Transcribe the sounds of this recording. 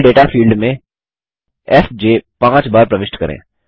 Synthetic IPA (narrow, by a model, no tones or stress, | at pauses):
ɖeːʈafʰiːlɖmẽ | ɛsd͡ʒeːpãːt͡ʃbaːɾpɾəʋɪʃʈkɐɾḛ̃ː